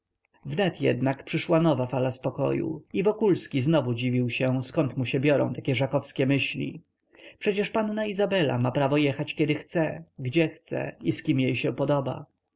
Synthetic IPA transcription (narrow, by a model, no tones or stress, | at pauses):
vnɛt̪jɛ̰d̪nakpʂɘʂwanɔvafalaspɔkɔ̰jṵivɔkulskʲiznɔvud͡ʑivʲiwɕɛskɔnt̪muɕɛbʲjɔɾɔ̰̃w̃t̪akʲɛʐakɔfskʲɛmɘɕlʲḭ | pʂɛt͡ɕɛʂpanːaizabɛla̰mapɾavɔjɛxat͡ɕkʲjɛd̪ɘxt̪sɛɡd͡ʑɛxt̪sɛ̰iskʲimjejɕɛpɔd̪ɔba̰